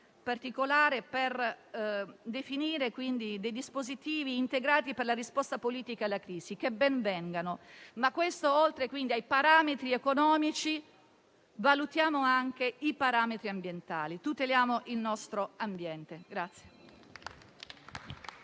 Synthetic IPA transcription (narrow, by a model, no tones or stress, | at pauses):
part̪ikolaːɾeper | d̪efiniːɾekwind̪id̪ejd̪ispozit̪iːviːnt̪eɡɾaːt̪iperlarispɔst̪apoliːt̪ikalːakɾiːzik̟ebɛnvɛŋɡanomakːwest̪oolt̪ɾekwind̪iajpaɾaːmet̪ɾiekonɔːmit͡ʃi | valut̪jaːmoaŋk̟eipaɾaːmet̪ɾiambjent̪a̰ːlit̪ut̪eljaːmoʔilnɔst̪ɾoambjɛnt̪eɡɾat̪sːje